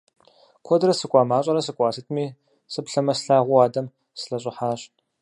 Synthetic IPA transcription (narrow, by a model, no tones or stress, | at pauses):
kʷʰɔdɾɐsɨkʷʼɑːmaːɕʼɐɾɐsɨkʷʼɑːsɨtʰmiː | sɨpɬɐmɐsɬaːʁʷʊaːdɐm | sɨɬɐɕʼɪħaːɕ